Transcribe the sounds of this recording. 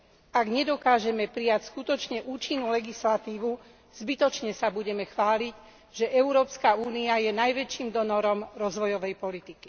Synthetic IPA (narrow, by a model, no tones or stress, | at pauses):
aɡɲɛd̪ɔkaːʒɛmɛpɾijacskut̪ɔt͡ʃɲɛʔuːt͡ʃinːulɛɡislat̪iːʋu | z̥bit̪ɔt͡ʃɲɛsabuɟɛmɛxʋaːliɟ | ʒɛʔɛʊɾɔːpskauːniajɛnajʋɛt͡ʃiːmd̪ɔnɔɾɔmɾɔzʋɔjɔʋɛjpɔlit̪iki̥